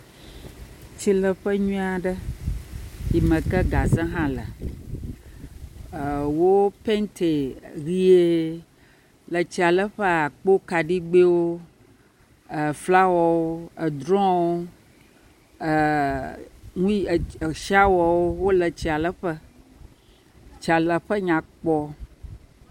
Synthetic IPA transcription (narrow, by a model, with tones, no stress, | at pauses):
t͡ɕi˦lə˨ɸə˦ɲũ˦a˨ɖə˦ | ji˨mə̃˨kə˦ɡa˨zə̃˦ɦã˦lə̰˨ | ə˨wo˦pe˦nt̪ʰe˨ɾi˦e˦ | lə˨t͡ɕi˦a˨lə˦ɸə˦a˨k͡po˦ka˨ɖi˦ɡ͡be˦wo˦˨ | fla˦wɔ˨wo˦ə˨d̪ɾɔ̃˦wo˦˨ | ŋũ˦˨ʃa˦wɔ˨wo˦wo˦lə˨t͡ɕi˨˦a˨lə˦ɸə˦ | t͡ʃi˨a˨lə˨ɸə˦ɲã˨k͡pɔ˦